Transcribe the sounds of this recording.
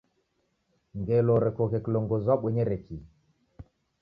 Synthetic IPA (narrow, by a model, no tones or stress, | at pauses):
ŋɡeloɾekokekloŋɡozaɓeɲeɾekʰi